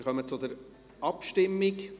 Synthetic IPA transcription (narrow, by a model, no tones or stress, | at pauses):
ɾχœmət͡sʊd̪əɾ | ʔɑpʃtɪmːɪk